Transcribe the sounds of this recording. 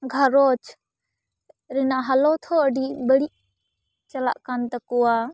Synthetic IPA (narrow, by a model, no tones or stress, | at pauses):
ɡʱaɾɔt͡ʃ | ɾɛnaʔɦalɔt̪ʰɔəɖibəɽiʔ | t͡ʃala̰ʔkant̪akuwa